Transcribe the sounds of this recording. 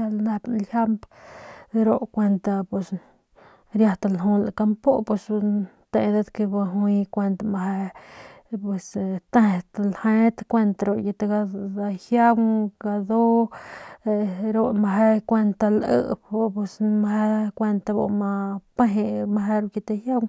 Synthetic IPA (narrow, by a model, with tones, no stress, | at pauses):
a˧lna˧bnlha˦mp | ɾo˦ʔkʷe˧nt̪a˧pwe˧s | ɾja˧t̪a˧lɦu˧la˨ka˧mpo˦pwe˧s | t̪e˧d̪e˦d̪ke˧ba˧ɦu˧jkʷe˧nt̪amaɦe˧ | pwe˨st̪e˦˨t̪alhe˦t̪kʷe˧nt̪a˧ɾo˧˨ʔje˧t̪e˧ɡa˧a˧hja˦wɡa˧d̪o˦ | ɾo˦ma˧ɦe˦kʷe˧nt̪a˧lʔə̰˧ʔbpe˧smaɦe˦kʷe˧nt̪a˧bo̰˧ma˧pe˦ɦe˧ma˧ɦe˧ɾo˧ʔje˧t̪e˧hja˦w